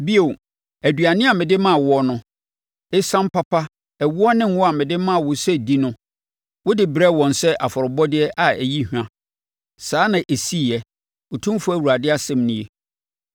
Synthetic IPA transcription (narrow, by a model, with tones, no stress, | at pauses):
bi˦o˨ | æ˨dɥa˨nɪ̃˦a˨mɪ̃˨dɪ˦mã˦˨wɔ˦nʊ̃˦ | ɪ˦sã˦m˦pʰa˦pʰa˦ | ɛ˨wʊ˦ɔ˦nɪ̃˦ŋ˦wʊ˦a˨mɪ̃˨dɪ˦mã˦˨wʊ˨sɛ˦di˦nʊ̃˦ | wʊ˦dɪ˨bɾɛ˦wɔ̃˨n˨sɛ˦ʔa˨fɔ˨ɾʊ˨bɔ˦dɪ˦ɛ˦ʔa˨æ˨ji˦hᶣã˨˦ | saː˨˦nã˨ʔe˨si˦˨jɛ˦ | ʊ˨tʰũ˦m˦fʊ˦æ˨wu˨ɾa˨dɪ˦a˦sɛ̃˦˨mnʊ̃˦e˦